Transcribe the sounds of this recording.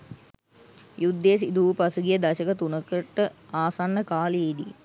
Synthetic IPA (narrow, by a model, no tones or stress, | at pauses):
jud̪ːejs̬id̪uʋpasuɡijəd̪ɐʃəkət̪unəkəʈːəaːsanːəkaːlied̪i